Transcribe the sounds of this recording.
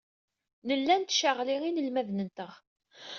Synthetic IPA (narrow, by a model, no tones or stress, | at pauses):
nəlːænt̪ːʃəʁliʁinəlmæðnənt̪əʁ